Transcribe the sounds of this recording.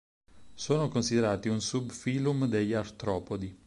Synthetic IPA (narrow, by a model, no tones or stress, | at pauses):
soːnokonsid̪eɾaːt̪iunsubfiːlumd̪eʎːaɾt̪ɾɔːpod̪i